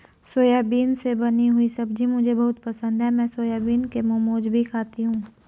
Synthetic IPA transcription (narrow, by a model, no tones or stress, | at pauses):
soːjaːbiːnsebɐniɦʊisɐbd͡ʒimʊd͡ʒʱebɐɦʊt̪pɐsə̃nd̪ʱɦɛmɛ̃ːsoːjaːbiːnkemoːmoːd͡ʒbʱikʰaːt̪iɦũː